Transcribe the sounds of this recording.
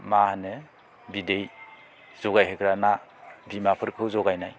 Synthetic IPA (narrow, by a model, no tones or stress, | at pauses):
mahane | bidej | zɔɡajɦekɾanabimapʰɯɾkʰɯwzɔɡajnaj